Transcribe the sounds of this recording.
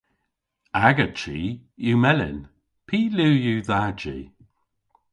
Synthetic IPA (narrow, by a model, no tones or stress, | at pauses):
aɡət͡ʃiːjumɛlɪ̰n | pʰiːluːjuðad͡ʒḭ